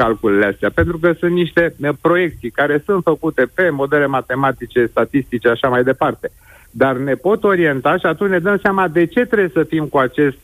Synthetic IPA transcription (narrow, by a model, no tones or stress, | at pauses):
kalkuleleast̪eape̞nt̪ɾukəsunt̪niʃt̪e̞pɾo̞je̞k̚t̪sijkaɾe̞sunt̪fəkut̪e̞pe̞mo̞d̪e̞le̞mat̪e̞mat̪it͡ʃe̞st̪at̪ist̪it͡ʃeaʃamajd̪e̞part̪e̞ | d̪arne̞po̞t̪o̞ɾie̞nt̪aʃiat̪unt͡ʃʲned̪əmseamad̪e̞t͡ʃe̞t̪ɾebjesəfimkuat͡ʃe̞st̪